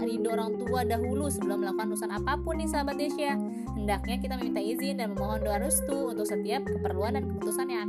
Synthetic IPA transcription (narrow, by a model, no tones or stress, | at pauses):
ɾidoɾaŋt̪uadaɦulusəbəlʊmːəlakuanrusanapapʊnːisaɦabat̪eʃia | həndak̚ɲakit̪aməmint̪aizɪndanməmoɦɔndoanust̪uːnt̪ʊk̚sət̪iap̚kəpərluandankəput̪usanjaa